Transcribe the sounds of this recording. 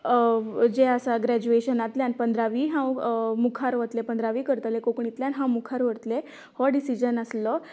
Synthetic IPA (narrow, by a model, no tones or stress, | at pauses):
d͡ʑeəsaɡɾæd͡ʑueɕənat̪ljanpənd̪ɾaʋiːɦãwmukʰaɾʋət̪lepənd̪ɾaʋiːkəɾt̪əlekokɳit̪ljanɦãwmukʰaɾʋəɾt̪le | hɔɖisid͡ʑənəslɔ